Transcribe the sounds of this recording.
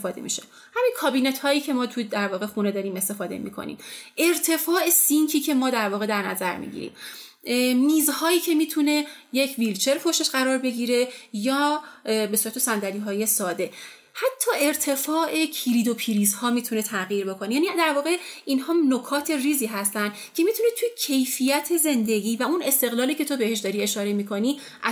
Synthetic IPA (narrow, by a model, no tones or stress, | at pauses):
fɒːd̪emḭːʃe | hæmiːnkʰɒːbiːnet̪hɒːjiːcʰe̞mɒːt̪ʰud̪æɾvɒːɣe̞xune̞d̪ɒːɾiːme̞st̪e̞fɒːd̪ḛmḭːkʰo̰nḭmʔe̞ɾt̪ʰe̞fɒːe̞sincʰiːcʰe̞mɒːd̪æɾvɒːɣe̞d̪æɾnæ̰zæɾmḭːɟḭɾḭːm | miːzhɒːjiːcʰe̞miːt̪ʰune̞ | jecʰvilt͡ʃʰe̞ɾpʰoʃe̞ʃɢæɾɒːɾbe̞ɟiːɾe̞jɒːbe̞suɾæt̪ʰe̞sænd̪æɾiːɦɒːje̞sɒːd̪e̞ | hæt̪ʰːɒːe̞ɾt̪ʰe̞fɒːʔe̞cʰiɾiːd̪o̞pʰiɾiːzhɒːmiːt̪ʰune̞t̪ʰæɣiːɾbo̞kʰo̞nejæːnid̪æɾvɒːɣe̞inhɒːno̞kʰɒːt̪ʰe̞riːziːɦæst̪ænd̪cʰe̞miːt̪ʰunet̪ʰujecʰe̞jfijæt̪ʰe̞ze̞nd̪e̞ɟiːvæune̞st̪e̞ɣlɒːliːcʰe̞t̪ʰo̞be̞he̞ʃ̬d̪ɒːɾie̞ʃɒːɾe̞miːkʰo̞ni | ʔæ